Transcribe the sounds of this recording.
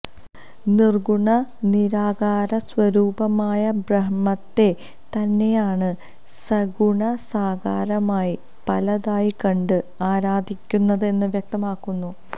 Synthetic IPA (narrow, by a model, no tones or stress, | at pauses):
nirɡuɳɐniɾaːɡaːɾɐswɐɾuːbɐmaːjɐbrɐɦmɐt̪ːe̞ | t̪ɐnːe̞jaːɳɨ | sɐɡuɳɐsaːɡaːɾɐmaːji | pɐlɐðaːjikɐɳɖɨaːɾaːd̪ʱikʲːunːɐðɨe̞nːɨʋjɐk̚t̪ɐmaːkːunːu